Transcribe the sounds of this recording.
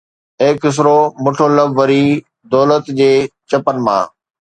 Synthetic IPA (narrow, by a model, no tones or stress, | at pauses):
ɪkːɪs̬ɾomʊʈʰoləbʋɐɾi | d̪ɔːlət̪d͡ʑeːt͡ɕɐpənɪ̆mã̰ː